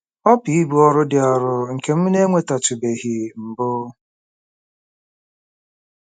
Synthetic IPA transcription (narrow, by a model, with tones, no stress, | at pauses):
ɔ˦pi˦i˦bu˨˦ɔ˨ɾʊ˦dɪ˨ɔ˨ɾʊ˨ŋ̩˨ke˨m̩˦ne˦ŋʷe˦ta˨t͡ʃʊ˨be˨ɦi˨m̩˨bʊ˦